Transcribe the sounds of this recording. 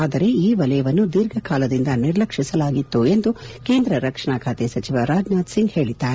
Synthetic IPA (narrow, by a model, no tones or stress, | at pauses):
aːd̪ɐɾe̞iːʋɐlɐjɐʋɐnːud̪iɾɡʱɐkʰaːlɐd̪ind̪ɐniɾlɐkʂisɐlaːɡit̪ːue̞nd̪ukeːnd̪ɾɐɾɐkʂɐɳaːkʰaːt̪esɐt͡ʃiʋɐɾaːd͡ʒnaːd̪siŋɡhe̞ːɭid̪ːaːɾe